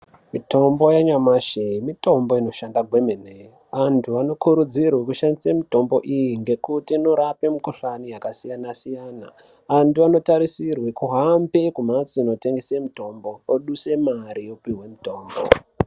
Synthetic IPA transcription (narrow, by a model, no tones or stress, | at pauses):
mito̞mbo̞jaɲamaʃeimito̞mbo̞ino̞ʃandaɡʱwe̞menej | ʋantʰuano̞kuɾud͡zirwekuʃandisamito̞mbo̞̰ʔijiŋɡe̞kutino̞ɾape̞mukoɬanijakasijanasijaːna | ʋantuano̞taɾisirwekuɦampe̞kumat͡siino̞te̞ŋɡesemito̞mbo̞ːɗuse̞maɾijo̞piwe̞mito̞ːmbo̰